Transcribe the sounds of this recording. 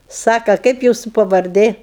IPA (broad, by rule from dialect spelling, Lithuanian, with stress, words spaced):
ˈsɑːkɐ ˈkɐɪp ˈjuːsʊ pɐʋɐrʲˈdʲeː